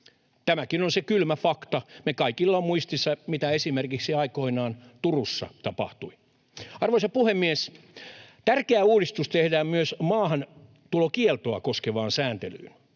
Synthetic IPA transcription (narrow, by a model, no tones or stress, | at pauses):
t̪æmækinonsekylmæfɑkt̪ɑmekɑikilːɑmmuist̪isːɑmit̪æesimerkiksiɑikoinɑːnt̪urusːɑ̰t̪ɑpɑ̰ht̪ui | ɑrʋoisɑpuhemːies | t̪ærkeæuːɾist̪ust̪ehdæːmmyøsmɑːhɑn | t̪ulokielt̪oɑ̰koskeʋɑːnsæːnt̪ely̰ːn